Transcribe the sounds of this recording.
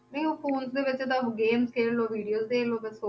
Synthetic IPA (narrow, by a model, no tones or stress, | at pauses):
nəĩoːpʰoːnzd̪eːʋɪt͡ʃed̪ãːɡeːmskeːɾloːʋiːɖijoːzd̪eːloːʋɪso